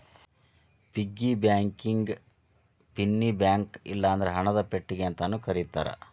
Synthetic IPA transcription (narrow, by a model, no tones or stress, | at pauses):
piɡːibjaːŋkiŋɡ | pinːibjaːŋkḭlːɐːnd̪ɐɾeɦɐɳɐd̪ɐpeʈːiɡeɐnt̪ɐnukɐɾit̪ːa̰ːɾɐ̰